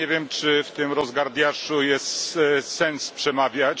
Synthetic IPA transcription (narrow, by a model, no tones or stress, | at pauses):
ɛvʲjɛmt͡ʂɘft̪ɪmɾɔzɡaɾd̪ʲjaʂujɛst̪sɛnspʂɛmavʲjat͡ɕ